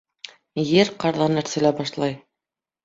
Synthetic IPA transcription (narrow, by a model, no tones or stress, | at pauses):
jɘɾqɑɾðɑnæɾsælæbɑʃlˠɑj